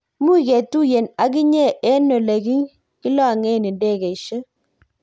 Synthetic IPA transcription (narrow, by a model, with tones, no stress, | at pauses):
mu˦˨kɛ˨tu˦je˨na˨k̬i˦ɲe˦˨ʔɛ˦no˨le˨ki˦ŋ | ki˦lɔ˦a˨ŋɛ˦˨ni˨nde˦˨kɛ˨i˨ʃə˦